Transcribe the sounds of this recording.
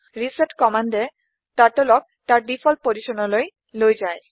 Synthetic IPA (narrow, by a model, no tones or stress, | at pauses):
ɹiseʈkɔmandɛ | taʈolɔk̚taɹɖifʰɔl̚poziʃɔnɔloj | lojzaj